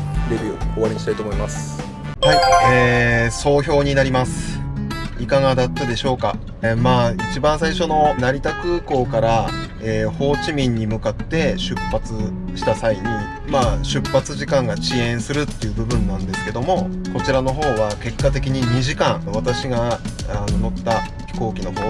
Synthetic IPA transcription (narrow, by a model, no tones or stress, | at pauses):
debʲio̰oβaɾiɲiɕit̪ait̪oːmoimasɨ̥ | haieːso̞ːço̞ːɲ̟inaɾʲimasɨ̥ | ikaŋad̪at̪ːad̪e̞ɕo̞ːka̰ | maːit͡ɕibãɰ̃saiɕo̞no̞naɾʲit̪akɯ̟ːko̞ːkaɾa | eːho̞ːt͡ɕimʲĩɲ̟ːimɯ̟kat̪ːe̞ɕɨpːat͡sɨ | ɕi̥t̪asaiɲ̟i | maːɕɨpːat͡sɨʑikãŋɡaɕiẽ̞ɰ̃sɨɾɯ̟t̪ːe̞jɯ̟ːbɯ̟bɯ̟̃nːãnd̪e̞sɨ̥ke̞d̪o̞mo̞ko̞t͡ɕiɾano̞ɦo̞ːβake̞kːat̪e̞kʲiɲ̟iɲ̟iʑikãŋβat̪aɕiɡaːnono̞t̪ːḁ | ko̞ːkʲino̞ɦoː